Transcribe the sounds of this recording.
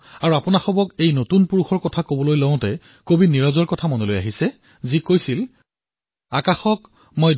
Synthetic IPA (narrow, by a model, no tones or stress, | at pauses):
aɹuapʊnaxɔbɔkejnotunpuɹuxɔɹkɔtʰakobɔlojlɔʊ̃tɛ | kobiniɹɔzɔɹkɔtʰamɔnoloja̰ɦisɛ | zikojsil | akaxɔk | mojd